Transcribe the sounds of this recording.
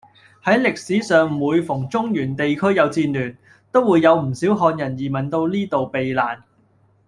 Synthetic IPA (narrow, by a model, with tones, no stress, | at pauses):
hɐ˨˥jlɪ˨k̚siː˨˥sœː˨ŋ˨uː˨˧jfʊ˨˩ŋt͡sʊ˥ŋjyː˨˩nt̪e˨jkʰɵ˥ɥjɐ˨˧wt͡siː˧nlyː˨˩n | t̪o˥wːuː˨˧jːɐ˨˧wm̩˨˩siː˨˥wɦɔː˧njɐ˨˩njiː˨˩mɐ˨˩nt̪o˧wliː˥t̪o˨wpe˨jlaː˨˩n